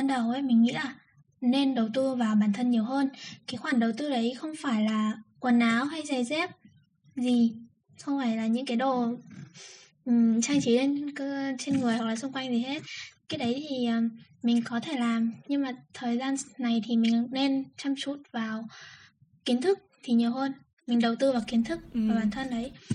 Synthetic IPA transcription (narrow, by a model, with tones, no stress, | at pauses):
ɓaː˧nɗə˨˩wʔə˨˦mï˨˩ŋ̟ŋḭ˧˥ʔaː˨˩ | ne˧nɗə˨˩wt̪ɨ˧vaː˨˩wɓaː˧˩nt̪ʰə˧nɲi˨˩əwɦəː˧nkaː˨˦jxwaː˧˩nɗə˨˩wt̪ɨ˧ɗə˨˦jxə˧wŋ͡mfaː˧˩jlaː˨˩kwə˨˩nʔaː˨˦wɦa˧jza˧jzɛ˦˥p̚ | zi˨˩ | xə˧wŋ͡mfaː˧˩jlaː˨˩ɲɨ̰˧˥ŋkaː˨˦jɗo˧˩˨ | t͡ɕaː˧ŋt͡ɕi˨˦le˧nkːt͡ɕe˧nŋɨ˨˩əjwa˨˩laː˨˩sʊ˧ŋ͡mkwa˧jŋzi˨˩ɦe˦˥t̚kaː˨˦˥ɗə˨˦jt̪ʰi˨˩ʔəː˨˩mï˨˩ŋ̟kɔ˨˦t̪ʰe˧˩laː˨˩mɲɨ˧ŋmaː˨˩t̪ʰəː˨˩jzaː˧nna˨˩jt̪ʰi˨˩mï˨˩ŋne˧nt͡ɕa˧mt͡ɕu˧˥˩t̚vaː˨˩w | ki˨˦ənt̪ʰɨ˦˥k̚t̪ʰi˨˩ɲi˨˩əwɦəː˧n | mï˨˩ŋ̟ɗə˨˩wt̪ɨ˧vaː˨˩wki˨˦nt̪ʰɨ˦˥k̚vaː˨˩ɓaː˧˩nt̪ʰə˧nɗə˨˦j